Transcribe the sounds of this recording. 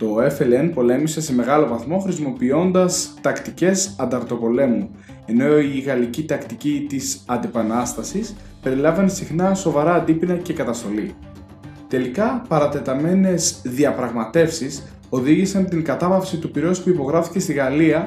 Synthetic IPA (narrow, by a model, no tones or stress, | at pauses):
t̪o̞e̞felenpo̞le̞mise̞se̞me̞ɣɐlo̞vɐθmo̞xɾis̬imo̞pio̞nd̪ɐst̪ɐkt̪ice̞sɐnd̪ɐɾt̪o̞po̞le̞mu | e̞no̞iɣɐlicit̪ɐkt̪icit̪isɐnd̪ipɐnɐst̪ɐsis | pe̞ɾilɐvɐnsixnɐso̞vɐɾɐːnd̪ipinɐce̞kɐt̪ɐst̪o̞li | t̪e̞likɐpɐɾɐt̪e̞t̪ɐme̞ne̞sðiɐpɾɐɣmɐt̪e̞fsis | o̞ðiʝisɐnt̪iŋɡɐt̪ɐvɐfsit̪upiɾo̞spuipo̞ɣɾɐfi̥ce̞st̪iɣɐliɐ